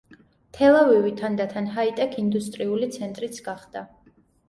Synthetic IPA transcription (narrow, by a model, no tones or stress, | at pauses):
t̪ʰɛlˠavivit̪ʰand̪at̪ʰanɦait̪ʼɛkʰind̪ust̪ʼɾiulit̪sʰɛnt̪ʼɾit̪sʰɡ̥aχd̪̥a